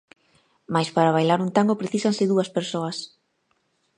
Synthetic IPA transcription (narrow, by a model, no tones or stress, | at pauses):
majspaɾaβ̞ajlaɾunt̪aŋɡopɾeθisaŋsɪðuɐspeɾsoɐs